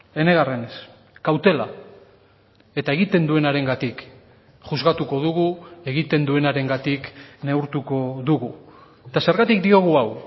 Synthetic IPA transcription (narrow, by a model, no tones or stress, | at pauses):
e̞ne̞ɣ̞are̞nes | kawt̪e̞la̰ | e̞t̪ae̞ɣit̪e̞nd̪ue̞naɾe̞ŋɡat̪ik | ʝuzɣat̪uko̞ð̞uɣ̞ue̞ɣit̪e̞nd̪ue̞naɾe̞ŋɡat̪ikne̞uɾt̪uko̞ðuɣu | et̪ase̞ɾɣat̪ikd̪io̞ɣ̞uaw